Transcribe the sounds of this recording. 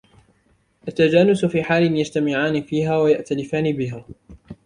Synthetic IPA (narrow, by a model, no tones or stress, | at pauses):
ʔat̪ːad͡ʒaːnʊsfiːħaːlɪnjad͡ʒt̪amɪʕaːnɪfiːɦaːwajaʔt̪alɪfaːnɪbɪɦaː